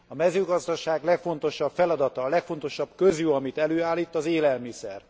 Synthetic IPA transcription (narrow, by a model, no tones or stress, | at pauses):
ɒmɛzøːɡɒzd̪ɒʃaːɡlɛkfo̞n̪t̪o̞ʃɒpfɛlɒd̪ɒt̪ɒːlɛkfo̞nt̪o̞ʃɒbkøzjuɒmit̪ɛløːaːlːiːt̪ːɒzeːlɛlmisɛr